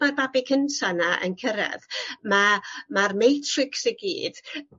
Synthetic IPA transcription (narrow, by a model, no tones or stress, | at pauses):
arbabɪkʰəntʰanaʔə̰nkʰəɾɛ̰ðmamarmejtʰrɪksiɡḭːd̥